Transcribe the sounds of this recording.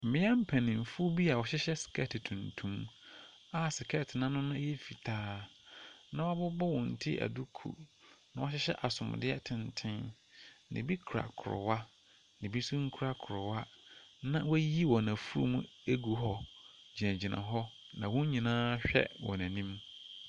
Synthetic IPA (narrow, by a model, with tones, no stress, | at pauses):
m̩˨mɪ̃˦a˦m̩˦pʰæ̃˨nɪ̃˨m̩˨fu˦bi˦a˨wɔ˨ɕɪ˦ɕɛ˦sɪ̥˨kʰɛ˦˨tɪ˨tʰũ˨ntʰũ˦m | a˨sɪ˨kʰɛ˦tʰɪ˨nã˦nʊ̃˦nã˦jɛ˦fi˨tʰaː˦ | nã˦wa˦bʊ˦bɔ˦wɔ̃˨n̩˨tʰi˦ʔæ̰˨du˦kʰṵ˨nã˨wɔ˦ɕɪ˦ɕɛ̰˦ʔa˨sʊ̰̃˨m̰˨dɪ˦ɛ˦tʰɪ̃˨ntʰɪ̃˦n | nʔɪ̰̃˨bi˦kʰu˨ɾa̰˨kʰʊ̰˨ɾʊ̰˨wa˦ | nɪ̃˨bi˦su˦ŋ̩˦kʰu˦ɾa˦kʰʊ˨ɾʊ˨wa˦nã˦wɛ˦ji˦wɔ̃˨næ̃˨fu˦ɾṵ˦mũ˦e˦ɡu˨ɦɔ˦d͡ʑi˨næ̃˨d͡ʑi˨nã̰˨ɦɔ˦ | nã˨wɔ̃˦ɲ˦ɲĩ˨nãː˦ɕᶣɛ̰˦wɔ̰̃˨næ̃˨nĩ˦m